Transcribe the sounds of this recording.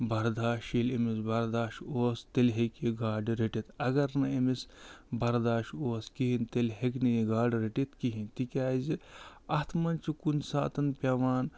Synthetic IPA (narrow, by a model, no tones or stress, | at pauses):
bɐɾd̪aːʃilemisbɐɾd̪aːʃoːst̪elɦekiɡaːɖɾeʈit̪ɐɡɐɾnɐemisbɐɾd̪aːʃoːskiɦint̪elɦeknijiɡaːɖɾeʈit̪kiɦint̪ikʲaːziɐt̪ʰmɐnt͡ʃikunsa̰ːt̪ɐnpʲɐʋaːn